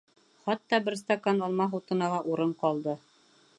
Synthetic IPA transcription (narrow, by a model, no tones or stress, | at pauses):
χɒt̪ːɑbɘɾst̪akanɒlˠmɑɦut̪ɤ̆nɑlˠɑʔuɾɤɴqɒlˠd̪ɤ